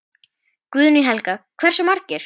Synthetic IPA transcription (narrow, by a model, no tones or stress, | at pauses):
kvʏðniɦɛlkakʰv̥ɛr̥sʏmaɾcɪɾ̥